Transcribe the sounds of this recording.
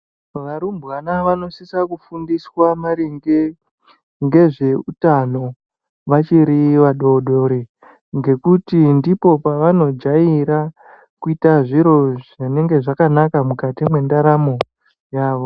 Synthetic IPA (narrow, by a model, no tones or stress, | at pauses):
ʋaɾumbwanaʋano̞sisakufundiswamaɾiŋɡe | ŋɡe̞ʐe̞utano̞ | ʋat͡ʃiɾiʋaɗo̞ɗoɾe | ŋɡe̞kutindipo̞paʋano̞d͡ʒaiɾa | kuitaʐiɾo̞ʐene̞ŋɡe̞ʐakanakamukatimwe̞ndaɾamo | jaːʋo̞